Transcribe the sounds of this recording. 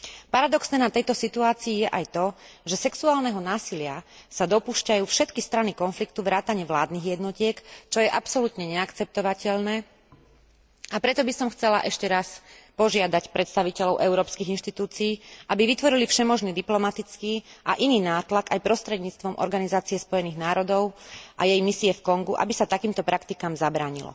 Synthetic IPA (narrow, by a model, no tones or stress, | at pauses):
paɾad̪ɔksnɛːnat̪ɛjt̪ɔsit̪uaːt͡siːjɛʔajt̪ɔʒɛsɛksuaːlnɛɦɔnaːsilɪasad̪ɔpuːʃcajuːfʃɛt̪kist̪ɾanikɔnflikt̪uʋɾaːt̪aɲɪɛʋla̰ːd̪niɣjɛd̪nɔcɪɛkt͡ʃɔjɛʔapsɔlut̪ɲɛɲɛakt͡sɛp̚t̪ɔʋacɛʎnɛː | apɾɛt̪ɔbisɔmxt͡sɛla̰ʔɛʃcɛɾaspɔʒɪad̪acpɾʔɛt̪st̪aʋicɛlɔʊʔɛʊɾɔːpskiɣinʃt̪it̪uːt͡siiːʔabiʋit̪ʋɔɾilifʃɛmɔʒniːd̪iplɔmat̪it͡skiːʔaʔiniːnaːt̪lakajpɾɔst̪ɾɛd̪ɲiːt͡st̪ʋɔmʔɔ̰ɾɡanizaːtt͡siɛspɔjɛniːɣnaːɾɔd̪ɔʊʔa̰jɛjmisiɛfkɔŋɡuʔa̰bisat̪akiːmt̪ɔpɾakt̪ikamzabɾaːɲḭlɔ̰